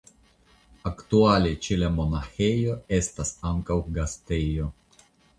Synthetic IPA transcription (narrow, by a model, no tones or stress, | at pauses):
akt̪ualet͡ʃelemo̞naxejo̞e̞st̪asaŋkawɡast̪ejo̞